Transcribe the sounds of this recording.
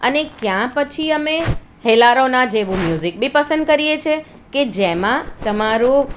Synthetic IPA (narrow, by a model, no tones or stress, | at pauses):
ə̰nekjãpət͡ʃʰiəme | helaɾonãd͡ʒeʋũmjuzik̚bʱipəsənd̪̚kəɾijet͡ʃʰe | ked͡ʒemãt̪əmaɾũ